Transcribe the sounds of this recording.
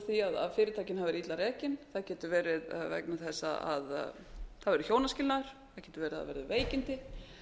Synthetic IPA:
θiaða̰ðfɪːɾɪt̪ʰaːcɪnhavɛɾit̪laɾɛːcɪnθaðcɛːt̪ʏvɛːɾɪðvɛ̰knaθɛsːa̰a̰ð | θaðvɛɾʏçjoːwnascɪlnaɾ̥ | θaðcɛːt̪ʏvɛːɾɪða̰vɛ̰ɾðɪveːjcɪnt̪ɪ

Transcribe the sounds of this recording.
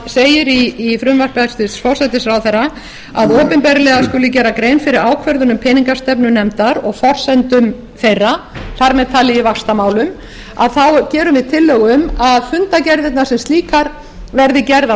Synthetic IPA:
seːjɪɾiːfɾʏmvaɾ̥pɛst̪ɪsfɔw̥sɛt̪ɪsfɾawθɛrːa | aðɔːpɪnpɛɾlɛɣaskʏːlɪcɛːɾakɾeːjnfɪɾɪɾaːwkʰvɛɾðʏnʏmpʰɛniŋkast̪ɛpnʏnɛmt̪aɾɔɣfɔr̥sɛnt̪ʏm | fejrːaθaɾmɛðt̪ʰaːlɪɪvakst̪amaːwlʏm | a̰ðθawcɛːɾʏmvɪðt̪ʰɪlːœɣʏmaðfʏnt̪acɛɾðɪt̪nasɛmst̪liːkaɾ | vɛɾðɪcɛɾða

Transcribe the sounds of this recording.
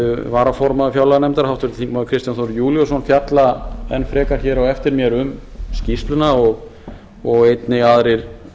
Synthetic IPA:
vaːɾafɔɾmaðafjawlaanɛmt̪aɾhawht̪vɪɾt̪ɪ̥θiŋkmaðʏkʰɾɪst̪janθɔɾjuːljɔsɔnfjat̪laɛnfɾɛːkaɾ̥çɛːɾawɛft̪ɪɾmjɛɾʏmscist̪lʏnaɔɣ | ɔɣejt̪nɪɣaðɾɪɾ̥

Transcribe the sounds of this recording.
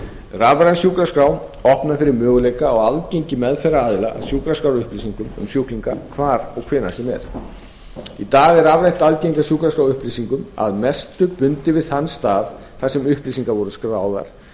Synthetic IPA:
ravɾansjuːkɾaskɾawɔhpnafɪɾɪɾmœːɣʏlejkaɔɣalcejɲcɪmɛðfɛɾaaːðɪlaʔa̰ðsjuːkɾaskɾawɾʏhpliːsiŋkʏmʏ̰msjuwkliŋkakʰvaːɾɔɣkʰvɪːnasɛmɛ̰ɾ̥ | it̪aːɣɛɾavɾejŋ̥t̪alcejŋkasjuːkɾaskɾawʏhpliːsiŋkʏma̰ðmɛst̪ɾʏpʏnt̪ɪvɪðhanst̪aːð | θasɛmʏhpliːs̬iŋkavɔɾʏskɾaːwða̰ɾ̥

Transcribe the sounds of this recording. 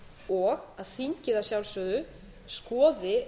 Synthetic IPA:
ɔɣaðθiɲcɪðasjawlsœːðʏ | skɔːðɪ

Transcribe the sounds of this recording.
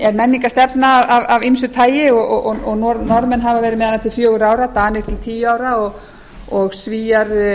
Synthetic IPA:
ɛɾmɛnːiŋkast̪ɛpnaːvavavins̬ʏt̪ʰaːjɪɔɣɔɣɔɔɣnɔɾnɔɾðmɛnɦavavɛːɾɪmɛːðanːat̪ʰɪlfjœːɣʏɾaːwɾat̪aːnɪɾt̪ʰɪlt̪ʰiːjaːwɾaɔɣ | ɔɣsviːjaɾ

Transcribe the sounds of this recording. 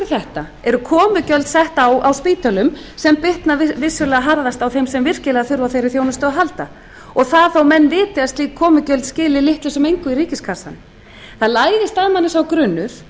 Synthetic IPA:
ɪθɛht̪a | ɛɾʏkʰɔːmʏcœlt̪sɛht̪awawspiːt̪œlʏmsɛmpɪht̪navɪsjʏɾlɛɣaɦaɾðast̪awθejmsɛmvɪr̥cɪlɛɣaθʏɾvawθejɾɪɾθjoːwnʏst̪œðaɦalt̪a | ɔɣθaðθawmɛnːvɪːt̪ɪast̪likʰɔːmʏcœlt̪scɪːlɪlɪht̪lɪsʏmejŋkʏiɾiːcɪskʰḁsa̰n | θaðlaːjðɪst̪aðmanːɪsawkɾʏnːʏɾ

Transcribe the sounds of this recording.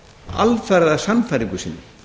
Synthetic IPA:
a̰lfɛɾðasanːfajɾiŋkʏsɪnː

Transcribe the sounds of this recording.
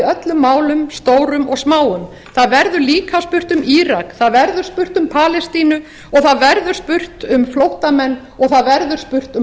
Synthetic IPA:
œt̪lʏmːaːwlʏmst̪oːwɾʏmɔɣsmaːwʏm | θaðvɛɾðʏɾliːkʰaspʏr̥t̪ʏmiːɾakθaðvɛɾðʏɾ̥spʏr̥t̪ʏmpʰaːlɛst̪iːnʏ | ɔɣθaðvɛɾðʏɾ̥spʏr̥t̪ʏmflowht̪amɛnː | ɔɣθaðvɛɾðʏɾ̥spʏr̥t̪ʏ

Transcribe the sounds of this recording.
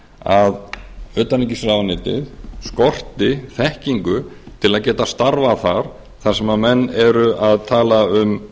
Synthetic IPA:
aðœːt̪anicisɾavanɪːt̪ɪ̰ðskɔr̥t̪ɪθɛhciŋkʏt̪ʰɪlaðcɛːt̪ast̪aɾvaθaɾ̥ | θaɾ̥sɛmamɛnːɛɾʏʔaðt̪ʰaːlaʏm

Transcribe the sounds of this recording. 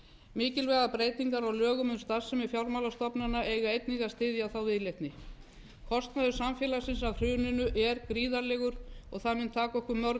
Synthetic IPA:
mɪːcɪlvɛːɣapɾeːjt̪iŋkaɾawlœːɣʏmʏnst̪asːɛmɪfjawɾmawlast̪ɔpnanaeːjɣaejt̪niɣast̪ɪːðjaθawvɪðlejht̪nɪ | kʰɔst̪naðʏsamfjɛːlasɪnsaðr̥ʏːnɪnʏʔɛɾkɾiːðalɛːɣʏɾɔɣθaðmɪnt̪ʰaːkɔhkʏɾmœɾ

